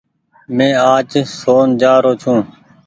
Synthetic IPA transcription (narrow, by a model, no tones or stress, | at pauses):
mẽːaːt͡ʃsoːnd͡ʒaːɾoːt͡ʃʰũː